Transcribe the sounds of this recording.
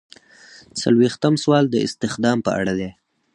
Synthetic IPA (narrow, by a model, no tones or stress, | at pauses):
sa̰lwext̪əmswɑld̪əɪ̰st̪ɪxd̪ɑmpə̰a̰ɽad̪e